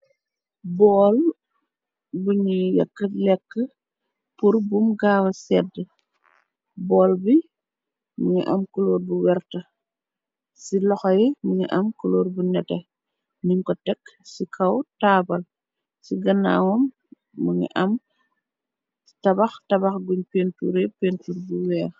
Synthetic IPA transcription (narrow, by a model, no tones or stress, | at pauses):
bɔːl | buɲijɐ̰kːəlɛkːə | purbumɡaːwɐsɛdːə | bɔːlbi | muɲiʔɐ̰mkulɔːrbuwɛrtə | silɔxɐjimuɲiʔɐmkuloːrbunɛtɛ | niŋkɔtɛkːsikʰɐwtaːbɐl | siɡɐnːa̰ːwɔmː | uɲḭʔɐm | tɐbɐxtɐbɐxɡuɲpeːntuɾɛpentuɾbuwɛːr